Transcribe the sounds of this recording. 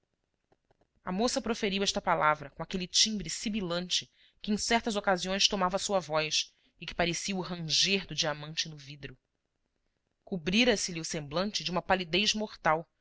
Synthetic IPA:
ɐmosɐpɾofeɾiwɛʃt̪ɐpalavɾɐkõakelit͡ʃĩmbɾɪsibilɐ̃nt͡ʃɪ | kɪẽj̃sɛχt̪ɐzokaziõj̃st̪omavɐsuɐvɔjs | ɪkɪ̥paɾesiɐuɦɐ̃ʒeɾd̪ʊd͡ʒiamɐ̃nt͡ʃɪnʊvid̪ɾʊ | kubɾiɾɐsɪliʊsẽmblɐ̃nt͡ʃɪd͡ʒɪũmɐpalid̪ejzmoχt̪aw

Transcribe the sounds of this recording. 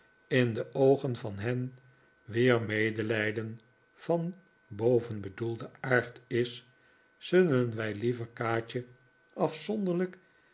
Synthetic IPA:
ɪndəʔowχənvɑnɦɛn | ʋɪːɹmejdəlɛjdən | v̥ɑn | bowvənbədulˠdəaːɹtɪs | zɵlənʋɛjlivəɹkaːt͡ʃə | ɑfsɔnd̪əʁlək

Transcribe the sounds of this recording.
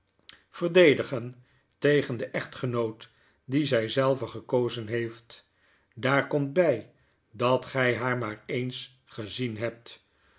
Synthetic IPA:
v̥ərdejdəχən | tejχəndəʔɛχtχənowt | dizɛjzɛlˠvəχəkowzənɦejft | daːɹkɔmt̚bɛj | dɑtχɛjɦaːɹmaːɹejns | χəzinɦɛp̚t

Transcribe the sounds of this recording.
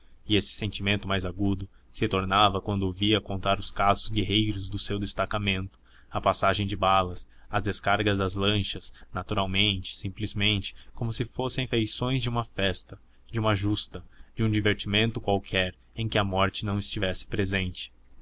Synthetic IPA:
ɪesɪ̥sẽnt͡ʃimẽnt̪ʊmajzaɡud̪ʊ | sɪt̪oɾnavɐkwɐ̃nd̪ʊviɐkõnt̪aɾʊskazʊzɡeɦejɾʊzd̪ʊsewd̪est̪akamẽnt̪ʊ̥ | ɐpasaʒẽj̃d͡ʒɪbalɐs | ɐzd̪eskaɾɡɐzd̪ɐzlɐ̃ʃɐsnat̪uɾawmẽnt͡ʃɪ̥sĩmplizmẽnt͡ʃɪ̥komʊsɪfosẽfejsõj̃zd͡ʒɪũmɐfɛst̪ɐ | d͡ʒũmaʒust̪ɐd͡ʒɪũd͡ʒiveɾt͡ʃimẽnt̪ʊkwawkʰɛɾ | ẽj̃kɪɐmɔɾt͡ʃɪnɐ̃w̃ɪst͡ʃivɛsɪ̥pɾezẽnt͡ʃɪ̥

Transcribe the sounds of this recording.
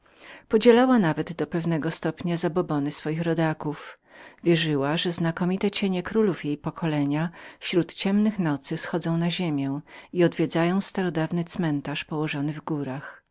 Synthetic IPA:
pɔd͡ʑɛlawanavɛd̪d̪ɔpɛvnɛɡɔst̪ɔpɲazabɔbɔnɘsfɔjixɾɔd̪akuf | vʲjɛʐɘwaʐɛznakɔmʲit̪ɛt͡ɕeɲɛkɾulufjejpɔkʰɔlɛɲafɕɾut̪t͡ɕɛmnɘxnɔt̪sɘsxɔd̪zɔ̃w̃naʑemʲjɛwiɔd̪vʲjed̪zajɔ̃w̃st̪aɾɔd̪avnɘt̪smɛnt̪aʂpɔwɔʐɔnɘvɡuɾax

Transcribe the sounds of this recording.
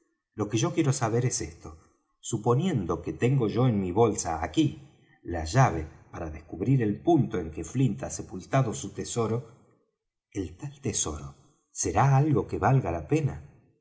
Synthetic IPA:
lo̞keʒo̞kje̞ɾosaβe̞ɾesest̪o̞ | supo̞nje̞nd̪o̞ket̪eŋɡo̞ʒo̞enmiβo̞lsaːki | laʒaβ̞e̞paɾaðeskuβɾiɾe̞lpunt̪o̞e̞ŋkeflint̪asepult̪aðosut̪eso̞ɾo̞ | elt̪alt̪eso̞ɾo̰ | seɾaalɣo̞keβalɣalape̞na

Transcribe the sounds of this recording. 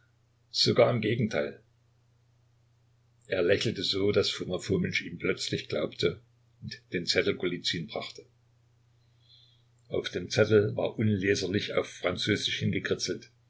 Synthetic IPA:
z̥oɡaːɐɪmɡeːɡŋ̩tʰaɪl | ʔeːɐlɛçl̩təzoːdasfumafomɪt͡ʃiːmplœt͡slɪçɡ̥laʊptʰə | ʊntd̥eːnt͡sɛtl̩ɡolit͡siːnbʁaχtə̥ | ʔa̰ʊfd̥eːmt͡sɛtl̩va̰ːɐʔʊnleːzɐlɪça̰ʊfʁ̥ant͡søːzɪʃhɪnɡəkʁ̥ɪt͡sl̩t

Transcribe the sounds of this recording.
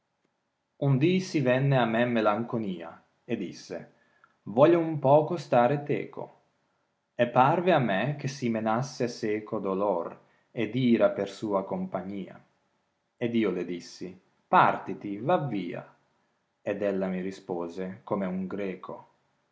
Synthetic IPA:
und̪isivɛnːeamːɛmːelaŋkoniːa̰ | ed̪ḭsːḛ | vɔːʎoumpɔːkost̪aːɾet̪ɛ̰ːkʰo̰ | epːarveamːɛk̟esimenasːeseːkod̪olor | ed̪iːɾapersuːakompaɲːiːa̰ | ed̪iːoled̪isːi | part̪it̪ivaviːa̰ | ed̪ɛlːamiɾispoːzekomeuŋɡɾɛːkʰo

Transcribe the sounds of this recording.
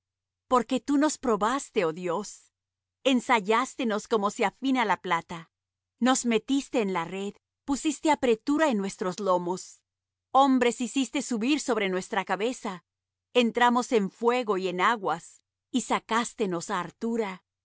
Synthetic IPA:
po̞ɾke̞t̪uno̞spɾo̞βast̪e̞oðjo̞s | e̞nsaʝast̪e̞no̞sko̞mo̞seafinalaplat̪a | no̞zme̞t̪ist̪e̞ːnlare̞ð | pusist̪e̞apɾe̞t̪uɾaenːwe̞st̪ɾo̞zlo̞mo̞s | o̞mbɾe̞sisist̪e̞suβiɾso̞βɾe̞nwe̞st̪ɾakaβe̞sa | ent̪ɾamo̞se̞ɱfwe̞ɣo̞ie̞naɣwas | isakast̪e̞no̞saːɾt̪uɾa

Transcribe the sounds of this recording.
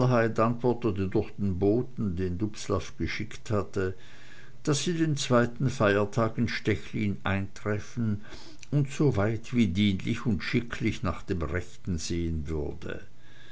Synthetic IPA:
ɦaɪtʔantv̥ɔɐtətədʊɐxd̥eːnboːtn̩deːndʊpslafɡ̥əʃɪkthatə | d̥asz̥iːdeːnt͡sv̥aɪtn̩faɪɐtʰaːkɪnʃtɛçlḭːnʔa̰ɪntʁ̥ɛfn̩ | ʊntz̥oːvaɪtv̥iːdiːnlɪçʊntʃɪkʰlɪçna̰ːχd̥eːmʁɛçtn̩zeːənvʏ̰ɐdə̰

